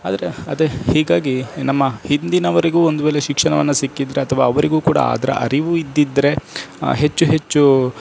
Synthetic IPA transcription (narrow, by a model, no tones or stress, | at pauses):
aːd̪ɐɾe̞ɐd̪ehiːɡaːɡinɐmːɐhind̪inɐʋɐɾiɡuːond̪uʋeːleʃikʂɐɳɐʋɐnːɐsikːid̪ːɐɾeɐt̪ʰɐʋa̰ːɐʋɐɾiɡuːkuːɽa̰a̰ːd̪ɐɾɐ̰ʔɐ̰ɾiʋuid̪ːid̪ɐɾeɦe̞t͡ʃːuɦe̞t͡ʃːu